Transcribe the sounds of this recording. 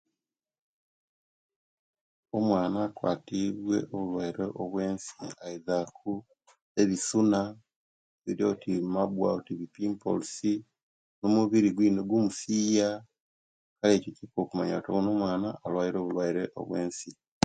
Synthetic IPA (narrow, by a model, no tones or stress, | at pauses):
omwaːnaːkwa̰ːtiβwe̞ʔoβulwaiɾeʔoβwe̞ːnsiaizakʰu | eβisuna | βiɾio̞timabwa̰utiβipiːmpo̰lusi | nomuβiɾiɡwiːnoɡwumusiːja | kale̞ːcocikokumaɲa̰toβono̞ːmwaːnaːlwaiɾo̞ːβulwaiɾeʔo̰βwe̞ːnsi